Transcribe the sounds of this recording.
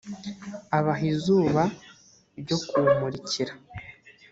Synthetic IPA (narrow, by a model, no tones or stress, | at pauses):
aβaɦizuːβa | ɾɟo̞kumuɾiciɾa